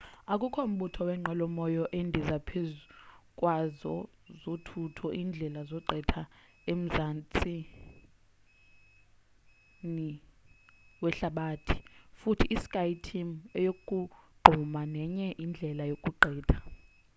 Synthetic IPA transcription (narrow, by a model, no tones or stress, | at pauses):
akʼukʰɔum̩ɓutʰɔwɛŋ͡ǃɛlɔmɔjɔʔendʱizapʰezukʼwazɔ | zotʰutʰɔʔiːnd͡ɮʱɛlazɔǃʱɛtʰa | em̩zant͡sʼi | ni | wɛɬaɓaːtʰi̥futʰiʔːsi̥kʼajtʰimɛjokʼuɡ͡ǃʱumanɛɲɛʔind͡ɮʱɛlajokʼuǃɛːtʰḁ